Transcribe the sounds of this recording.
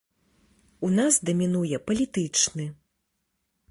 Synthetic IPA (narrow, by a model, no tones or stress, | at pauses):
unasd̪ɐmʲinujɛpɐlʲit̪ɨt͡ʂnɨ